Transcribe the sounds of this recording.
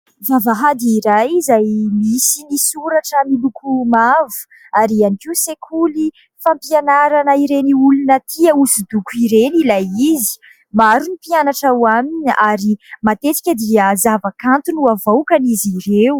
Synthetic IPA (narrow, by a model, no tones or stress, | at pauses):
vavaɦad̪iiɾajizajmisinisuɾaʈ͡ʂəmilukumavu̥ | aɾianikisekʰuli | fampianaɾanəiɾeniulunət̪ʰiausud̪ukuiɾenilajizi̥ | maɾunipianaʈ͡ʂawaminaɾimat̪et͡si̥kʲəd̪iəzavakant̪unuavawkaniziɾeu